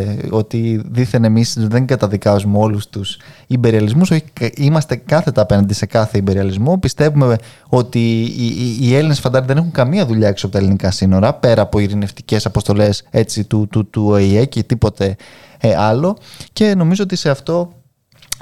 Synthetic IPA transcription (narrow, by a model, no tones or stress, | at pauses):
o̞t̪iðiθenemisðe̞ŋɡɐt̪ɐðikɐzumeo̞lust̪us | imbe̞ɾiɐlizmuso̞çi̥imɐst̪e̞kɐθe̞t̪ɐːpe̞nɐnd̪ise̞kɐθe̞imbe̞ɾiɐlizmopist̪e̞vume | o̞t̪iː | e̞linesfɐnd̪ɐɾðe̞ne̞xuŋkɐmiɐðuʎɐeksoɐpot̪ɐelinikɐsino̞ɾɐpe̞ɾɐːpo̞iɾineft̪i̥ce̞sɐpo̞st̪o̞le̞se̞t͡sit̪ut̪ut̪uoiecet̪ipo̞t̪e̞ | ɐlo̞ce̞no̞mizoot̪ise̞ɐft̪o̞